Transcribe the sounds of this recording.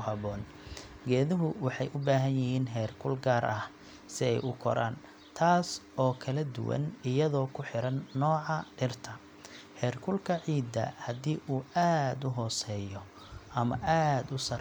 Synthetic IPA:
hɐβɔːn | ɡɛːðɪɦʊwɑħɑjʔʊbaːɦɐnjɪhiːnɦɛːrkʰʊlɡaːɾʔɐh | sɪɛjʔʊkʰɔ̰ɾa̰ːn | t̪ʰaːs | ɔːkʰɐlɐd̪ʊ̰wɐ̰nɪjɐðɔːkʰʊħɪɾɐnːɔːʕɑɖɪrt̪ʰɐ | ħɛːrkʰʊlkʰɐʕiːd̪ɐ̰hɐd̪iːʔuːaːd̪ʊɦɔːsɛːjɔ | ʔɐmɐ̰ʔaːd̪ʊsɐr

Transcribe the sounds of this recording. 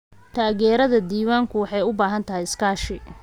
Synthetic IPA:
t̪ʰaːɣɛːɾɐðɐd̪iːwaːŋkʰʊwɑħɑjʊbaːɦɐnt̪ʰɐɦɛjɪskʰaːʃɪ

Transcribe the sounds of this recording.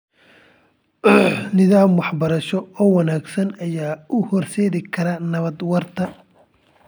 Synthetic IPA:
nɪðaːmwɑħbɐɾɐʃɔɔːwɐnaːɡsɐnɐjaːʊhɔrsɛːðɪkʰɐɾɐnɐβɐd̪wɐrt̪ʰɐ

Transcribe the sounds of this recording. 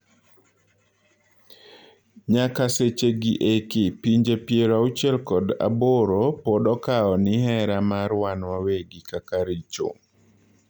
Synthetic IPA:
ɲakaset͡ʃeɡiʔekɪpiɲd͡ʒepjeɾaut͡ʃɛlkɔda̰boɾopɔɗɔkaɔnɪhɛɾamaɾwanwaweɡikakaɾit͡ʃo̰

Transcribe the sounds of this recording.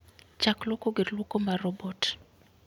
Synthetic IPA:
t͡ʃaklɔkoɡeɾlukɔmarɔbɔt

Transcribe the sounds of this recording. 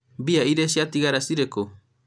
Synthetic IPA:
biaiɾes̬iat̪iɡaɾasiɾeko

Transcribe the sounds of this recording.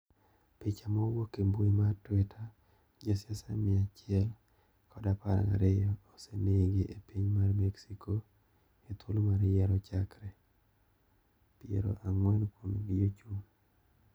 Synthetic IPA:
pit͡ʃamɔwokemboimartwɛtʰa | d͡ʒasjasamɪat͡ʃɪɛl | kʰɔdapaɾa̰ŋa̰ɾejɔːseneɡiʔepiɲmarmɛksikʰo | et̪ʰulmaɾjɛɾɔt͡ʃakɾɛ | piḛɾo̰ʔaŋwɛnkwomɡijot͡ʃum

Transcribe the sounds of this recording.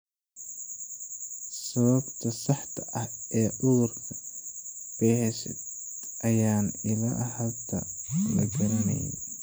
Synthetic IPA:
sɐβɐbt̪ʰɐsɑħt̪ʰɐʔɐhɛːʔʊðʊrkʰɐ | b̥ɛɦɛʃɛ̰d̪ | ʔɐjaːnɪlɐʔhɐlt̪ʰɐ̰lɐ̰ɡɐɾɐnɐ̰jɛ̰

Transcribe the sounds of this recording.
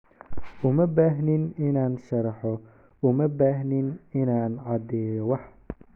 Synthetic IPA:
ʔʊmɐbaːɦnɪnɪnaːnʃɐɾɐħɔ | ʊmɐbaːɦnɪnɪnaːnʕɑd̪ɛːjɔwɑħ

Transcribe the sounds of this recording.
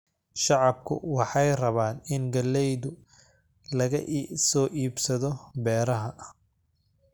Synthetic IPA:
ʃɑʕɑb̚kʰʊ̰wɑħɑjrɐβaːnɪnɡɐlːɛjðʊ | lɐɣɐsɔːʔiːbsɐðɔbɛːɾɐɦɐ

